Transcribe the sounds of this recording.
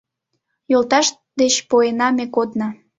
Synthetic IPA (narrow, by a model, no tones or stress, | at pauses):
jolt̪ɑʃ | d̪et͡ɕpoenɑmekod̪nɑ